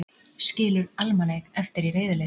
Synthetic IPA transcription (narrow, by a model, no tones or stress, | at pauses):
scɪːlʏɾalmalejɣɛft̪ɪɾiɾeːjðɪle